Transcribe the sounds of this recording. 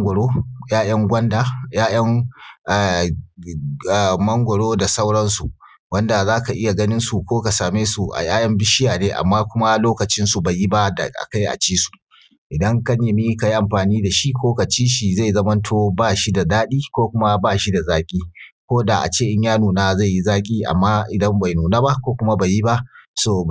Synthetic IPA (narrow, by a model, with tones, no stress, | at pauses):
ŋɡʷɔ˨ɽoː˦jaː˦j̰ɐ˦ŋɡʷɐ˦ndaː˨jaː˦j̰ɐ˦ŋʔ | mɐ˦ŋɡʷɔ˨ɽoː˦da˨sa˦wɽɐ˦nsṵ˨ʔ | wɐ˦nda˨zaː˦ka˨ʔɪ˦ja˨ɡɐ˦nɪ˦nsu˨kʷoː˦ka˨saː˨meː˦su˨ʔa̰˨j̰aː˦jɐ˦mbɪ˦ʃɪ˦jaː˨neː˦ʔa̰˨mːaː˦kʷʊ˦ma˦loː˦kɐ˨t͡ʃɪ˦nsu˨ba˨ji˦ba˦da̰˨ʔa̰˨ka˦jʔa̰˨t͡ʃiː˦su̥˨ʔ | ʔɪ˨dɐ˦ŋkɐ˦ɲje˨miː˦ka˨ji˦ʔa˨mɸaː˨niː˦da˨ʃi˦kʷoː˦ka˨t͡ʃiː˦ʃi˨za˦˨jzɐ˦mɐ˦ntʰoː˦baː˦˨ʃi˦da˨daː˦ɗiː˦kʷoː˦kʷʊ˦ma˦baː˦˨ʃi˦da˨zaː˦kʲʼiː˦kʷoː˦da˨ʔa̰˨t͡ʃeː˦ʔɪ˦ɲjaː˦nuː˨naː˦za˦˨ji˦zaː˦kʲʼiː˦ʔa̰˨mːaː˦ʔɪ˨dɐ˦mba˨jnuː˨naː˦ba˦kʷoː˦kʷʊ˦ma˦ba˨ji˦ba˦ʔsoː˦˨